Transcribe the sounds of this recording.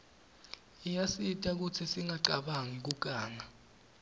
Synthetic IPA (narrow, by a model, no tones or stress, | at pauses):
ijasitʼak̬ut͡sʰisiŋaǃaɓaŋik̬uk̬ʼaːŋa